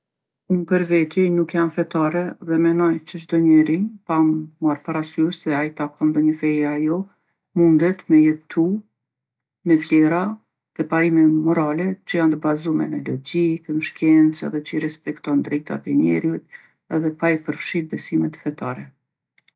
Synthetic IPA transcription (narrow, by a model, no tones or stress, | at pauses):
umpəɾvɛt̪jɛjnukjanfɛt̪aɾɛðɛmɛnɔjt͡ʃət͡ʃd̪ɔɲɛɾipamuaɾpaɾasyʃt̪ðɛajit̪akɔnd̪ɔɲəfɛjajɔ | mund̪ɛt̪mɛjɛt̪ʰu | mɛvlɛɾa | ðɛpaimɛmɔɾalɛt͡ʃəjant̪əbazumɛ̰nɛlɔd͡ʑiknəʃkɛnt͡sɛ̰ðɛt͡ʃəiɾɛspɛkt̪ɔnd̪ɾɛjt̪a̰t̪ɛɲɛ̰ɾjut̪ | ɛðɛpaipəɾfʃiɾ̚bɛsimɛt̪fɛt̪a̰ɾɛ